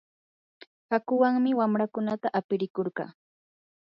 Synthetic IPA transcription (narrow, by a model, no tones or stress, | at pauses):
hakʊwaŋmɪwamɾakʊnat̪aʔapɪɾɪkoɾɢɑ̰ː